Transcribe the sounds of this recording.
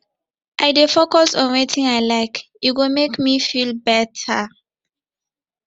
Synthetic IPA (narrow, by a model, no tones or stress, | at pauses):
ʔaɪdefokɔsɔ̃nwetʰĩnaɪlaɪk | itɡomekmifilbɛtʰa